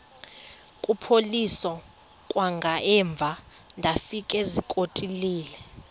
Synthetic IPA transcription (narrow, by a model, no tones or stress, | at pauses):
kʼupʰolisɔ | kʼwaŋɡʱaɛɱb̪vʱandʱafikʼɛzikʼotʼiliːlɛ